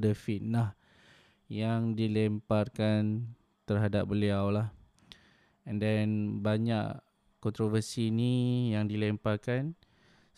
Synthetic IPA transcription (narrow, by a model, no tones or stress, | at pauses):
dəfitnah | jaŋdilɛmparkan | t̪ərɦadap̚bəliawlah | əndɛnbaɲaʔ | kɔnt̪ɾovərsinijaŋdilɛmparkan